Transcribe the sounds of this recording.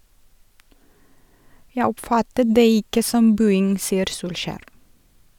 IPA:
ˈjæɪ ˈɔpˌfɑtət ˈdeː ˈɪkə ˈsɔm ˈbʉːɪŋ ˈsiːəɾ ˈsuːlˌʃæːɾ

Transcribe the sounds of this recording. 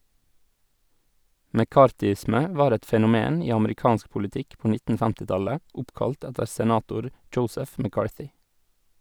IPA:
mɛˈkɑːɾtʏˌɪsmə ˈʋɑːɾ ˈɛt fɛnʊˈmeːn ˈiː ɑməɾɪˈkɑːnsk pʊlɪˈtɪk ˈpɔ ˈnɪtn̩ ˈfɛmtɪ ˈtɑlə ˈʊpkɑlt ˈɛtəɾ sɛˈnɑːtʊɾ ˈdʒəʊsəf mæˈkɑːɹθʏ

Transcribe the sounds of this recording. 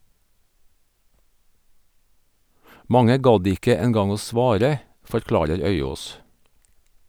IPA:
ˈmɑŋə ˈɡɑd ˈɪkə ɛnˈɡɑŋ ˈoː ˈsʋɑːɾə fɔɾˈklɑːɾəɾ ˈœʏˌoːs

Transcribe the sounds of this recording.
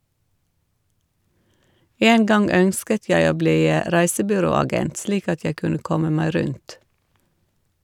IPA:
ˈeːn ˈɡɑŋ ˈœnskət ˈjæɪ ˈoː ˈbliː ə ˈɾæɪsəbʏˌɾoːɑˌɡɛnt ˈsliːk ˈɑt ˈjæɪ ˈkʉnə ˈkɔmə ˈmæɪ ˈɾʉnt

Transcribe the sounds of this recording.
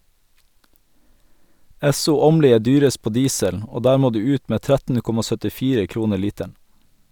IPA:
ˈɛsʊ ˈoːmliː ˈeː ˈdyːɾəst ˈpoː ˈdiːsəl ˈoː ˈdæːɾ ˈmoː ˈdʉː ˈʉːt ˈmeː ˈtɾætn̩ ˈkɔmɑ sœtɪˈfiːɾə ˈkɾuːnə ˈɭiːtæɳ

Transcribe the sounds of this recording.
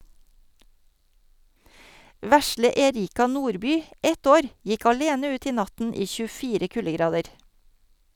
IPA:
ˈʋæslə ɛˈɾiːkɑ ˈnuːɾˌbyː ˈɛt ˈoːɾ ˈjɪk ɑˈleːnə ˈʉːt ˈiː ˈnɑtn̩ ˈiː çʉˈfiːɾə ˈkʉləˌɡɾɑːdəɾ

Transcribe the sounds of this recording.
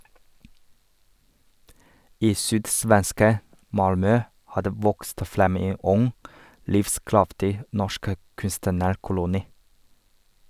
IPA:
ˈiː ˈsyːdˌsʋɛnskə ˈmɑlmœ ˈhɑː ˈdeː ˈʋɔkst ˈfɾɛm ˈeː ˈʊŋ ˈlɪfˌskɾɑftɪ ˈnɔʃk ə ˈkʉnstənəɾˌkʊlʊniː

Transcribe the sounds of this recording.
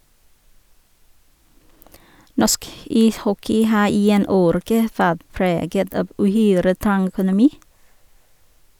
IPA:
ˈnɔsk ˈiːsˌhɔkɪ ˈhɑː ˈiː ˈeːn ˈoːɾɛkə ˈʋæʁt ˈpɾeːɡət ˈɑb ʔʉˈhyːɾə ˈtɑŋ œkʊnʊˈmiː

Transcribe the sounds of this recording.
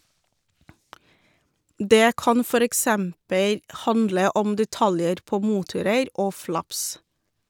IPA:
ˈdeː ˈkɑn ˈfɔɾ ɛkˈsɛmpəl ˈhɑndlə ˈɔm dɛˈtɑljəɾ ˈpoː ˈmuːtʊɾəɾ ˈoː ˈflɑps

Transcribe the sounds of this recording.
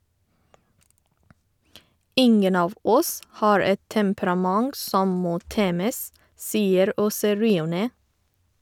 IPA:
ˈɪŋən ˈɑːʋ ˈɔs ˈhɑːɹ ˈɛt tɛmpɾɑˈmɑŋɡ ˈsɔm ˈmoː ˈteːməs ˈsiːəɾ ˈoːsə ˈɹiːʊˌneː

